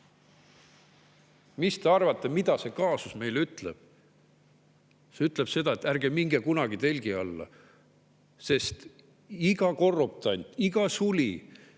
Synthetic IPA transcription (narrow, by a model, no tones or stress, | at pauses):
mist̪e̞ɑrvɑt̪ːˑe̞mid̪ɑse̞kɑːsusme̞jlyt̪ˑleb̥̚ | se̞yt̪ːˑle̞b̥se̞d̪̥ɑet̪ːærɡ̥e̞miŋɡekunɑɡ̥it̪e̞lʲɡ̥iɑlːɑ̰ | se̞st̪ | iɡ̥ɑko̞rːop̚t̪ˑɑnʲt̪iɡ̥ɑsulʲi